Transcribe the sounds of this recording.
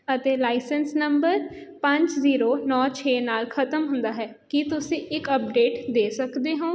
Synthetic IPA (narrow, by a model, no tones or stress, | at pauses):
ət̪eːlaːɪsənsnəmbəɾpə̃ɲd͡ʒziːɾoːnɔːt͡ʃʰeːnaːlkʰət̪əmɦʊ̃nd̪aːɦɛː | kit̪ʊsĩːɪkəp̚ɖeːʈd̪eːsəkd̪eːɦãː